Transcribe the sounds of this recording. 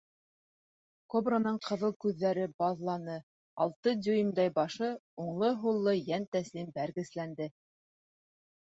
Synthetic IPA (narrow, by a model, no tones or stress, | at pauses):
kobranɤɴqʰɤ̆ðɤlˠkʉðːæɾɘbɑðlˠɑnɤ | ɑ̰lˠt̪ɤd̪ʲujimd̪ɑjbɑʃɤuɴlˠɤɦulˠːɤjænt̪æslimbæɾɡɘ̆slænd̪ɘ